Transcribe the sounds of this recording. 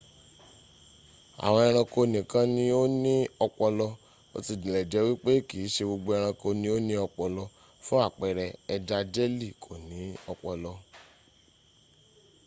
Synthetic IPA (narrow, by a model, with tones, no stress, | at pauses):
a̰˨w̃ɔ̃˧ɛ˧ɾ̃ã˧ko˧nĩ˨kã˦nĩ˧o˦nĩ˦ɔ˧k͡pɔ˧lɔ˧ | o̰˧ti˧˨dĩ˨lɛ˨d͡ʒɛ˨˦wi˦k͡pe˦ki˨˦ʃe˧ɡ͡bo˧ɡ͡bo˧˦ɛ˧ɾ̃ã˧ko˧nĩ˧˦o˦nĩ˦ɔ˧k͡pɔ˧lɔ˧ | fũ˦a˦˨k͡pɛ˨ɾɛ˧ɛ˧da˧d͡ʒe˦li˦˨kʰo˨nĩ˨˦ɔ˧k͡pɔ˧lɔ˧